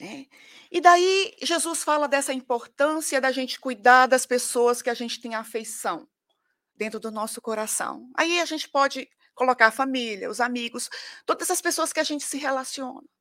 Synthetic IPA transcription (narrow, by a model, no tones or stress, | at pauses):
nɛ | ɪd̪aiʒezusfalɐd̪ɛsɐĩpoɾt̪ɐ̃siɐd̪aʒẽnt͡ʃɪ̥kujd̪aɾd̪ɐspesoɐskɪaʒẽnt͡ʃɪ̥t̪ẽj̃aːfejsɐ̃w̃ | d̪̥ẽnt̪ɾʊd̪ʊnɔsʊkoɾasɐ̰̃w̃a̰iaʒẽnt͡ʃɪ̥pɔd͡ʒɪ | kolokaɾfamiliɐ̰ʊzamiɡʊst̪od̪ɐzɐspesoɐskɪaʒẽnt͡ʃɪ̥sɪɦelasiõ̰nɐ̃